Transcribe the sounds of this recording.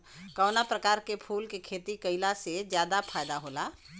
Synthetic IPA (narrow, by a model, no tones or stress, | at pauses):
kɔːnapɾəkaːɾkepʰuːlkekʰeːt̪ikəɪlased͡ʒjaːd̪apʰaːjd̪aɦoːlaː